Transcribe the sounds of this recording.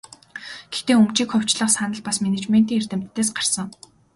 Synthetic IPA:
ɡ̥ext̪eːumt͡ɕiːkχʊw̥t͡ɕɮə̆χsanə̆ɮpasmenet͡ɕmen̥t̪iːŋer̥t̪ɘ̆m̥t̪ʰːeːsɢar̥sə̆ŋ

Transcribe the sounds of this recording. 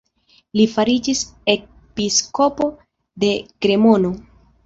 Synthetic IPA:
lifaɾid͡ʒise̞ | pisko̞po̞ | de̞kɾe̞mo̞no̞

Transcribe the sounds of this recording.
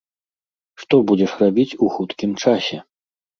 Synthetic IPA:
ʂt̪ɔbud͡zʲɛʂrabʲit͡sʲuxut̪kʲimt͡ʂasʲɛ

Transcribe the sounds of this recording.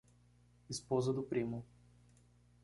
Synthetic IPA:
ispɔzəd̪opɾimʊ

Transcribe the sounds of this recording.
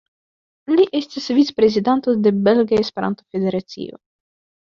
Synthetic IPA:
liʔe̞stisvit͡se̥pɾe̞zidant̪o̞d̪e̞be̞lɡaespe̞ɾa̰nt̪ofe̞d̪e̞ɾat͡sḭo̞̰

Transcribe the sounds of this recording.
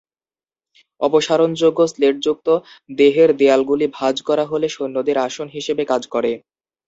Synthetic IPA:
ɔpoʃaɾond͡ʑoɡːosleʈ̚d͡ʑuk̚t̪o | d̪eɦeɾd̪ealɡulibʱad͡ʑkɔɾaɦoleʃonːod̪eɾaʃonɦiʃebekad͡ʑkɔɾe

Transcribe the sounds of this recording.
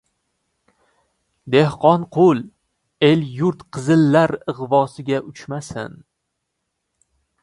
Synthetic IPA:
d̪e̞hqʰɒnqʰʊlˠ | e̞ljʊɾt̪qʰɨzɪlːaɾɨʁvɒsɪɡʲaʔʊt͡ʃmasɪ̰n

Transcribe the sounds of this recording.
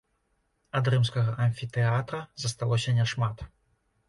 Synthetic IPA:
ɐd̪rɨmskɐɣɐʔɐnʲfʲit̪ɛat̪ɾɐzɐst̪alˠɔsʲɐnʲɛʂmat̪

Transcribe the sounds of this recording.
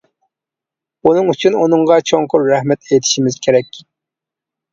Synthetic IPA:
unɨŋyt͡ʃʰynunɨŋʁɑt͡ʃʰoŋqʊɾɾɛhmɛt̪et̪ʰɪ̥ʃimɪzkʲʰeɾɛkʲː

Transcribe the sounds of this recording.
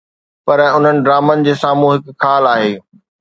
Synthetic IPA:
pɐɾʊn̤ənɪ̆ɖɾaːmənɪ̆d͡ʑeːsaːmũɦɪkkʰaːlaːɦeː

